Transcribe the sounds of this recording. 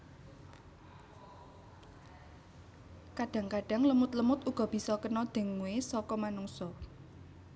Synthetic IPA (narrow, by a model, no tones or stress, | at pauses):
kaɖ̥ä̤ŋkaɖ̥a̤ŋləmʊt̪ləmʊt̪uɡ̥ɔ̤b̥i̤sɔkənɔd̪̥e̤ŋuwesɔkɔmanuŋsɔ